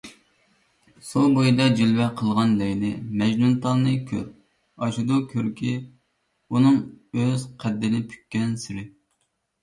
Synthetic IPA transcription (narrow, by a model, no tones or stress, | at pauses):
sobojd̪ɑd͡ʒilwɛqʰəlˠʁɑnlɛjnɪmɛd͡ʒnunt̪ʰɑlˠnɨkʲʰø̰ɾ | ɑʃud̪ukʲʰøɾkʲʰi | unɨŋøzqʰæd̪ːɪnɪpʰy̥kʲːɛnsɪɾɪ